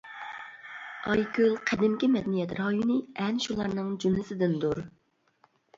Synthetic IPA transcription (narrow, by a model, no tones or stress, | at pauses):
ɑjkʲølˠqʰɛd̪ɪmkʲimɛd̪ɛnijɛt̪ɾɑjunɨɛnʃulˠɑɾnɨŋd͡ʒymlɪsɪd̪ɪnd̪uɾ